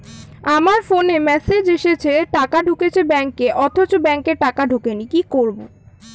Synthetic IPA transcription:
amaɾfonemɛsed͡ʑeʃet͡ɕʰeʈakaɖʱuket͡ɕʰebɛŋkːeʔɔt̪ʰot͡ɕobɛŋkeʈakaɖʱukenikikoɾbo̰

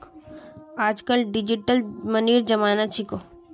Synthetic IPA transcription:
aːd͡ʒkəlɖɪd͡ʒiʈəlməniːɾd͡ʒɐmaːnat͡ʃʰiko

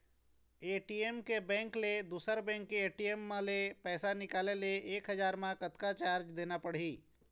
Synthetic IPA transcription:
eʈiemkebɛ̃ŋkled̪usəɾbɛ̃ŋkːeeʈiemːãlepɛːsanɪkaleleeːkɦəd͡ʒaɾmãkət̪kat͡ʃaɾd͡ʒd̪enapəɽɦi

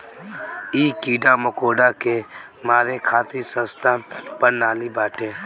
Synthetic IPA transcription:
iːkiːɖamʊkoːɖake | maːɾekʰaːt̪isə̃st̪ʰapəɾnaːlibaːʈẽː

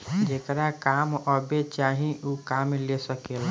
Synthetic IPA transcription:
d͡ʒeːkɾakaːmɔbet͡ʃaːɦĩukaːmlesəkela

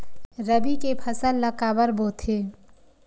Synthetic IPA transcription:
ɾəbikepʰəsəlːəkaːbəɾboːt̪ʰɦeː

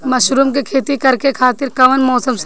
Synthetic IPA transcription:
mɐʃɾuːmkikʰeːt̪ikɐɾkekʰaːt̪ɪɾkɐʋənmɔːsəms

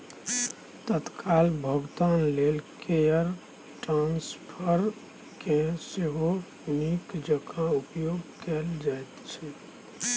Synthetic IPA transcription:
t̪ət̪kʰalbʱəɡt̪anlelkejəɾ | ʈɾãnspʰəɾ | kẽseɦo | nikd͡ʒəkaupjoɡkɛld͡ʒajt̪t͡ʃʰɛ

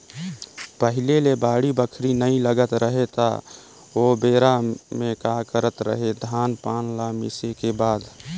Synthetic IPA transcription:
pəɦɪlelebaːɽibəkʰɾinəĩləɡət̪ɾəɦet̪a̰ | obeːɾamẽkakəɾət̪ɾə̰ɦed̪ʱaːnpaːnlamɪ̰sekebaːd̪

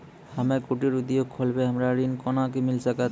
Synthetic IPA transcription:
hamɛkoʈiɾud̪ijokʰːɔlbɛɦamɾaɾinkɔnak̬emilsaka

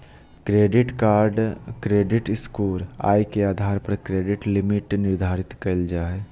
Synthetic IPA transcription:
kɾeːɖɪʈkaːɾɖkɾeːɖɪʈɪskuːɾa̰ːjkeaːd̪ʱaːɾpɐɾkɾeːɖɪʈlɪmɪʈnɪɾd̪ʱaːɾɪt̪kɐld͡ʒaːe

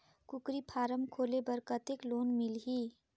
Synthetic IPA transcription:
kʊkɾipʰaːɾəmkʰoːlebəɾkət̪ekloːnmɪlɦi

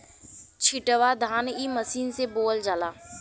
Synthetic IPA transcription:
t͡ʃʰɪʈəʋad̪ʱaːniːməsiːnseboːld͡ʒaːlaː

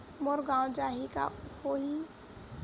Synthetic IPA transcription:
moɾɡãːwd͡ʒaːɦika̰koɦi

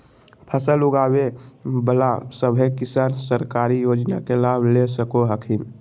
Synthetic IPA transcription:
pʰəsəlʊɡaːwebəla̰səbʱekɪsaːnsəɾkaːɾijoːd͡ʒnakelaːblesəkoɦəkʰim

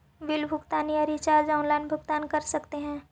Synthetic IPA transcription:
ʋɪlbʱʊɡt̪aːnijaɾit͡ʃaːɾd͡ʒaːʊnlaːɪnbʱʊɡt̪aːnkɐɾsɐkt̪eɦɛ̃ː

